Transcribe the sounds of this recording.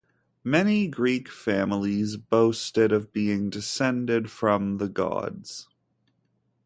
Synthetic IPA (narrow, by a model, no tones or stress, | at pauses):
mɛniɡɹikfæ̃ml̩ˠizboʊstɪɾʌvbiɪ̃ŋdɨsɛ̃ndɪd̥fɹʌ̃mðəɡɑ̰dz̥